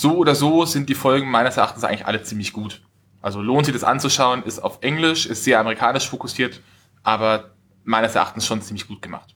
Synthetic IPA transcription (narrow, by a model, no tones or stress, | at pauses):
z̥oːʔoːdɐzoːzɪnt̚d̥iːfɔlɡŋ̩maɪnəsɛɐa̰χtn̩sʔaɪŋlɪçʔa̰lət͡siːmlɪçɡ̥uːt | ʔalzoloːntz̥ɪçd̥asʔa̰nt͡suʃaʊənɪstaʊfʔɛŋlɪʃɪstz̥eːɐʔaməʁikʰaːnɪʃfokʊsiːɐt | ʔaːbɐ | maɪnəsɛɐʔa̰χtn̩sʃoːnt͡siːmlɪçɡ̥uːt̚ɡ̥əma̰χt